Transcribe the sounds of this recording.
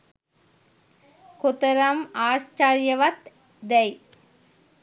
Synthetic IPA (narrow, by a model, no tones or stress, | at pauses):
kʊt̪ɐɾɐmaːst͡ʃaːɾjɐʋɐt̪ | d̪ɐj